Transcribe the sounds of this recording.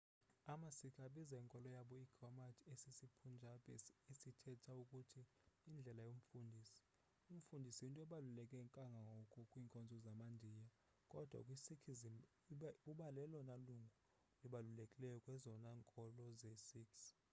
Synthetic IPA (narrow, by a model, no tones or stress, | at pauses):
amasikʰaɓizaiŋkʼɔlɔjaɓɔiɡ̥ramatʰesisipʰund͡ʒʱapʼɛesitʰɛtʰaukʼutʰiː | nd͡ɮʱɛlajom̩fundʱiːsi̥ | um̩fundʱisiuntʼɔɛɓalulɛkʼɛŋkʼaŋɡʱaŋɡʱɔkʰʼɔkʼwiːŋkʼɔnd͡zʱɔzamandʱiːja | kʼɔd̥ʱwa̰kʼwisikʰi | uɓalɛlɔnaluŋɡʱu | liɓalulekʼilɛjɔkʼwɛzɔnaŋkʼɔlɔzɛsiks